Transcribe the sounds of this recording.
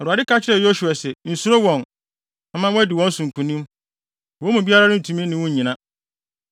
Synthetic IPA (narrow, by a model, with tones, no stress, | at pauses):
ɛ˨ɾu˨a˨dɪ˦kʰa˦t͡ɕʰɪ˦ɾɛ˨jo˦ɕu˨a˨sɛ˨n̩˨su˦ɾo˦wɔ̃˨n | a˨˦mã˦wɔ˦dɪ˨wɔ̃˦n̩˦sũ˨ŋ̩˨kʰũ˨nĩ˦m | wɔ̃˨˦mũ˨bi˦a˦ɾa˦nʊ̃˦n̩˨tʰũ˨mĩ˦nɪ̃˨wɔ̃˦ɲ˨ɲĩ˨nã˦